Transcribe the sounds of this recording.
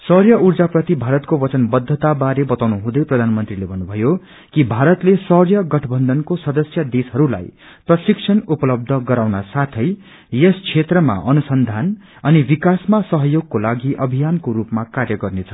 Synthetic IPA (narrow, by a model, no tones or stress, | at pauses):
sʌrjʌʔurd͡zaprʌt̪ibʱaɾʌt̪kobʌt͡sʌnbʌd̪ʱːʌt̪abaɾebʌt̪awnuɦũd̪ʌjprʌd̪ʱanmʌnt̪rilebʱʌnːubʱʌjo | kibʱaɾʌt̪lesʌrjʌɡʌʈʰʌbʱʌnd̪ʱʌnkosʌd̪ʌsjʌd̪esɦʌɾula̰j | prʌsiksʰʌnupʌlʌb̚d̪ʱʌɡʌɾawnasat̪ʰʌj | eskt͡sʰet̪rʌma̰ʔʌnusʌnd̪ʱan | ʌnibikasmasʌɦʌjoɡ̚kolaɡiʔʌbʱijankoɾupmakarjʌɡʌrnet͡sʰʌ̥